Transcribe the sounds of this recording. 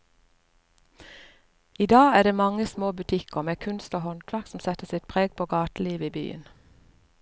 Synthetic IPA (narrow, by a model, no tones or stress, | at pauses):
iːd̪ɑːæːd̪eːmɑŋəsmoːbʉt̪ʰɪkəʁmeːkʰʉnst̪oːhɔnk̪ʰʋæksm̩sɛt̪əsɪt̪̚pʰʁeːɡ̚pʰoːɡɑːt̪liːʋəiːby̰ːə̰n